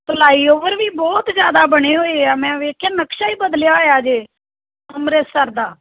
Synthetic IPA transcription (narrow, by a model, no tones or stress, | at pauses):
pəlaːiːoːʋəɾʋiːbɔːt̪zjaːd̪aːbəɽ̃eːɦoːeːaːmɛ̃ːʋeːkʰjãːnəkʃaːiːbəd̪ljaːɦoːjaːd͡ʒeː | əmɾeːsəɾd̪aː